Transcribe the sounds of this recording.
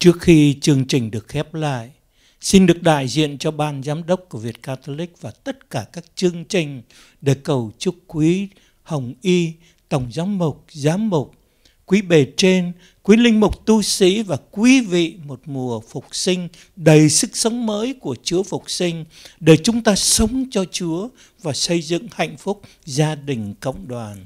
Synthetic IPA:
t͡ɕɨ˦˥ək̚xi˧t͡ɕɨ˧˩əŋt͡ɕï˨˩ŋ̟ɗɨ˨˩ək̚xɛ˦˥p̚la̰ː˧˨j | si˧nɗɨ˨˩ək̚ɗa̰ː˧˨jzḭ˧˨ənt͡ɕɔ˧ɓaː˧nzaː˨˦mɗə˦˥wk͡p̚ku˧˩əvi˨˩ət̚kaː˧t̪o˧lï˦˥k̚vaː˨˩t̪ə˦˥t̚kaː˧˩kaː˦˥k̚t͡ɕɨ˧əŋt͡ɕï˨˩ŋ̟ | ɗe˧˩kə˨˩wt͡ɕkwi˨˦ | hə˨˩wŋ͡mʔi˧ | t̪ə˨˩wŋ͡mzaː˨˦mːʊ˨˩k͡p̚zaː˨˦mːʊ˨˩k͡p̚ | kwi˨˦ɓe˨˩t͡ɕe˧n | kwi˨˦lï˧ŋ̟mʊ˨˩k͡p̚t̪u˧sḭ˧˥vaː˨˩kwi˨˦vḭ˧˨mo˨˩t̚mu˨˩əfʊ˨˩k͡p̚sï˧ŋ̟ | ɗə˨˩jsɨ˦˥k̚sə˨˦wŋ͡mməː˨˦jku˧˩ət͡ɕɨ˨˦əfʊ˨˩k͡p̚sï˧ŋ̟ | ɗe˧˩t͡ɕʊ˨˦ŋ͡mt̪aː˧sə˨˦wŋ͡mt͡ɕɔ˧t͡ɕu˨˦ə | vaː˨˩sə˧jzɨ̰˧˨ŋha̰˧˨jŋ̟fʊ˦˥k͡p̚ | zaː˧ɗï˨˩ŋ̟kə̰˧˨wŋ͡mɗwaː˨˩n

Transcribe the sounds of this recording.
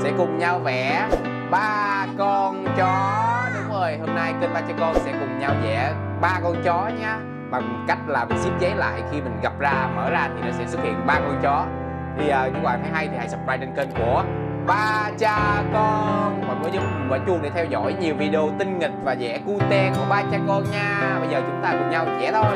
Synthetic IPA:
sɛ̰˧˥kʊ˨˩ŋ͡mɲa˧wvɛ˧˩ | ɓaː˧kɔ˧nt͡ɕɔ˨˦ɗʊ˨˦ŋ͡mʔəː˧˩jhoː˧mna˧jkəː˧nɓaː˧t͡ɕaː˧kɔ˧nsɛ̰˧˥kʊ˨˩ŋ͡mɲa˧wzɛ̰˧˥ | ɓaː˧kɔ˧nt͡ɕɔ˨˦ɲaː˧ | ɓa˨˩ŋm˨˩t̚ka˦˥jk̟̚laː˨˩mï˨˩ŋzi˦˥p̚zə˨˦jla̰ː˧˨jxi˧mï˨˩ŋ̟ɣa˨˩p̚zaː˧mə̰ː˧˩zaː˧t̪ʰi˨˩nɔ̰˨˩˥sɛ̰˧˥swt̚hḭ˧˨ənɓaː˧kɔ˧nt͡ɕɔ˨˦ | t̪ʰi˨˩ʔəː˨˩ɲɨ˧kwaː˨˩t̪ʰaː˨˦jɦa˧jt̪ʰi˨˩ha˧jsə˨˩p̚zaː˧jt͡ɕe˧nkə˧nku˧˩ə | ɓaː˧t͡ɕaː˧kɔ˧kʊ̰˧˥ŋ͡mmɔ˨˩kɨ˧˦zɨ˨˧˩kɔː˧˦t͡ɕʊ˧əɗe˧˩t̪ʰɛ˧wzɔ̰˧˥jɲi˨˩əwvi˧ɗi˧o˧t̪ï˧ŋ̟ŋï˨˩k̚vaː˨˩zɛ̰˧˩ku˧t̪ɛ˧ku˧˩əɓaː˧t͡ɕaː˨˦˥kɔ˧nɲaː˧ɓə˧jzəː˨˩t͡ɕʊ˨˦ŋ͡mt̪aː˧kʊ˨˩ŋ͡mɲa˧wzɛ̰˧˥t̪ʰo˧j

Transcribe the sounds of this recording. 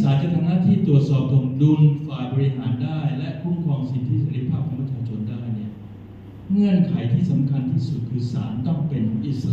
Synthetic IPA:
saː˩˦nt͡ɕa˧t̪ʰa˧mnaː˥˨t̪ʰiː˥˩t̪ɾu˨˩ət̪̚sɔː˨˩p̚t̪ʰo˨˩k̚du˧mfaː˨˩jbɔː˧ɾi˧ɦaː˩˦ndaː˥˩jlɛ˦˥ʔkʰu˥˩mkʰɔː˧ŋsi˨˩t̪ʰiː˥˩seː˧˦ɾi˧˦˥pʰaː˥˩p̚ʰɔ˩˦pʰa˧˩t͡ɕʰaː˧˩t͡ɕʰo˧ndaː˥˩jni˥˩ɐ | ŋɯ˥˩ənkʰa˩˦jt̪ʰiː˥˩sa˩˦mkʰa˧nt̪ʰiː˥˩su˨˩t̪̚kʰɯː˧sa̰ː˩˦nt̪ɔ˥˩ŋpe˧nkʰɔː˩˦ŋʔi˨˩s

